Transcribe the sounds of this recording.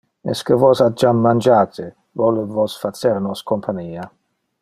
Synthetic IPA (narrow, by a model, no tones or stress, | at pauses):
ɛ̰skəvɔsad͡ʒamːand͡ʒaːt̪ɪ | vɔluvɔsfat͡sːeɾnɔskʰompʰaniːa